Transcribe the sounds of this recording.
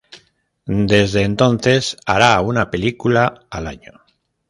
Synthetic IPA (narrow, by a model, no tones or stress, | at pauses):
d̪e̞zðe̞ːnt̪o̞nθe̞saɾaunape̞likulaːlaɲo